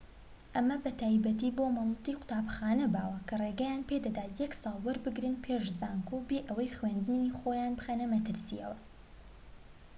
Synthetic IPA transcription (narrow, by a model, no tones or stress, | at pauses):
ʔɐmɐbɐt̪ʰaːjbɐt̪iːbomɑlˠɨt̪iqʊ̥t̪aːbxaːnɐbaːwɐkʰɐreɡɐjaːnpʰeːd̪ɐd̪aːt̪jɛksɑːlˠwɐɾbɨɡɾɨnpʰeːʒzaːŋkubeʔɐwɐjxwend̪nixoːjaːnbɨxɐnɐmɐt̪ɨɾsḭjɛ̰wɐ